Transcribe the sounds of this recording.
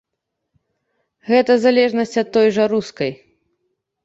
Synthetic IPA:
ɣɛt̪ɐzalʲɛʐnɐsʲt͡sʲɐt̪ːɔjʐɐɾuskɐj

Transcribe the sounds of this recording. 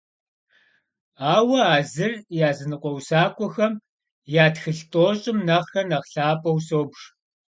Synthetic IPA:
aːwɐaːzɨrjaːzɨnɨqʷʼɔwsaːkʷʼɔxɐm | jaːtxɨɬtʼoːɕʼɪmnɐʁxɐnɐʁɬaːpʼɐwsoːbʂ

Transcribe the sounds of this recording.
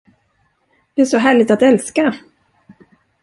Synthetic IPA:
d̪̥ɛæʂɔɦæːɭɪɡ̚t̪at̪ɛlska

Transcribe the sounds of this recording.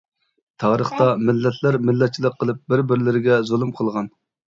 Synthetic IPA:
t̪ʰɑːɾəχt̪ɑmɪlːɛt̪ʰlæɾmɪlːɛt̪̚t͡ʃʰilˠəqʰːəlˠɨp̚bɪɾbɪɾlɪɾɪɡʲɛzolˠɨmqʰəlˠʁɑn

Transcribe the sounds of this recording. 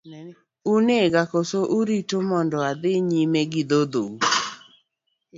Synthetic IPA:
uneɡakosoʔuɾitomɔndɔad̪ɪɲimeɡɪd̪od̪ou

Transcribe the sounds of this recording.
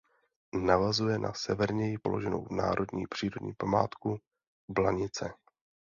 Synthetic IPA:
navazujɛnʔa̰sɛvɛɾɲɛjɪpo̰loʒɛno̰wvna̰ːɾo̞dɲḭːpr̝̥iːɾo̞dɲḭːpamaːt̪ku | blaɲɪt͡sɛ

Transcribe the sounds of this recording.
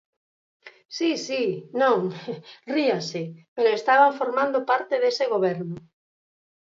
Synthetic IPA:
sisinõŋriasepeɾoest̪aβafoɾmãnd̪opaɾt̪eðeseɣ̞oβ̞ɛɾnʊ

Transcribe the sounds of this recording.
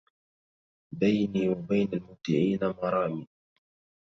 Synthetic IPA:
bajniːwabajnalmʊt̪ːɪʕiːnamɑɾˤɑːmi

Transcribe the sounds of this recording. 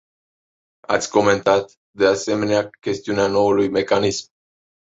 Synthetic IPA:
a̰t̪sʲko̞me̞nt̪at̪ | d̪e̞ase̞me̞neakʲe̞st̪iuneano̞ulujme̞kanism

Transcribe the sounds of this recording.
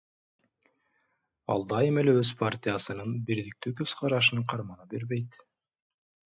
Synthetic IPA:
ɑ̰lˠd̪ɑjɯme̞leøz̥pʰart̪ʲɪjasɯnɯnbiɾd̪ik̚t̪ykøz̥qʰɑɾɑʃ̬ɯnqʰɑɾmɑnɑbeɾβejt̪

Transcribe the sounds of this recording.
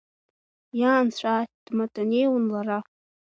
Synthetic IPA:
jaːnt͡ɕʷad̥matʼanejwunlara

